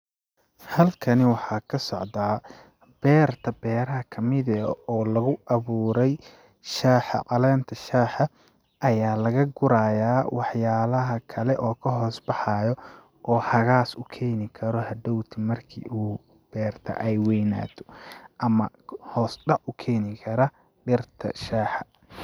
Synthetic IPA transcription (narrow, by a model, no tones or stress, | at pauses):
hɐlkʰɐnɪwɑħɑːkʰɐsɔʕd̪aː | b̥ɛːrt̪ʰɐbɛːɾɐɦɐkʰɐmɪðɐɔːlɐɣʊʔɐβuːɾɛj | ʃaːħɐ̰ʔɑlɛːnt̪ʰɐʃaːħɐ | ʔɐjaːlɐɣɐɡʊɾaːjaːwɑħjaːlɐɦɐkʰɐlɛʔɔːkʰɐɦɔːsbɑħɑːjɔ | ʔɔːhɐɣaːsʊkʰɛːnɪkʰɐɾɔhɐd̪ɔwt̪ʰimɐrkʰḭːʔuː | b̥ɛːrt̪ʰɐ̰ʔɛjwɛjna̰ːt̪ʰɔ̥ʔɐmɐ | hɔːsɖɑʔʊkʰɛːnɪkʰɐɾɐ | ɖɪrt̪ʰɐ̰ʃaːħɐ̥